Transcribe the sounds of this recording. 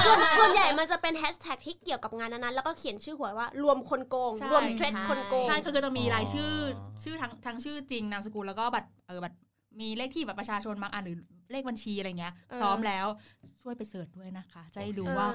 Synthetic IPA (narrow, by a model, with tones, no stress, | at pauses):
su˧ənsu˧˩ənja˨˩jma˧nt͡ɕa˨˩pe˧nhɛ˦˥st̪ʰɛ˨˩k̚t̪ʰiː˥˩ki˨˩əwka˨˩p̚ŋaː˧nːa˧˥˩na˦˥nlɛ˦˥wkɔː˥˩kʰi˨˩˦nt͡ɕʰɯː˥˩hu˩˦ɐwaː˥˩ɾu˧əmkʰo˧nkoː˧ŋt͡ɕʰa˥ɾu˧ə˩mt̪ʰɾe˦˥kʰo˧nkoː˧a˥˩jkʰa˥˩kɯː˥˩t͡ɕa˨˩ŋ̚miː˧ɾaː˨˦˥jt͡ɕʰɯː˥˩t͡ɕʰɯː˥˩t̪ʰa˦˥ŋt̪ʰa˦˥ŋt͡ɕʰɯː˥˩t͡ɕi˧ŋnaː˦˧˥msa˧kuː˧lɛː˦˥wkɔː˥˩bɛː˨˩p̚ʔɤː˨˩bɛː˨˩p̚ | miː˧leː˥˩k̚t̪ʰiː˥˩ɛ˨˩pːɾa˧˩t͡ɕʰaː˧t͡ɕʰo˧nmaː˧kʔaː˨˧˩nɾɯː˩˦leː˥˩k̚ba˧nt͡ɕʰiː˧a˧jŋː˩i˦˥ɐʔpʰɾɔː˦˥mlɛː˦˥wt͡ɕʰu˥˩əjpa˧jsɤː˨˩t̪̚du˥˩əjna˦˥kʰa˦˥t͡ɕa˨˩ha˥˩jduː˧waː˥˩